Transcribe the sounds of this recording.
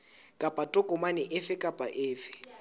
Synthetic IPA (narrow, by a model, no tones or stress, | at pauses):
kʼapʼatʼʊkʼʊmanɪʔɪfɪkʼapʼaʔɪːfɪ̥